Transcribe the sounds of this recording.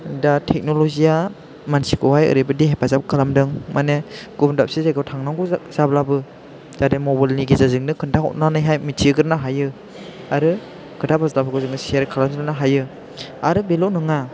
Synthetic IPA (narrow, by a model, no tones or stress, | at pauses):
datʰɛk̚nolɔzija | mansikɔɦajɯ̰ɾibɯdiɦepʰazap̚kʰalamdɯŋmaneɡ̥umndap̚sizeɡɯwtʰaŋnaŋɡɔz̥ablabɯ | tademɔbajlniɡizazɯŋnɯkʰɯndaɦɔ̰t̚nanajɦajmitʰiɡɯɾnaɦajɯ | aɾɯ | kʰɯntabazalabaɡɯzɯŋnɯsieɾkʰalamzɯlnaɦajɯ | aɾɯbelonɯŋa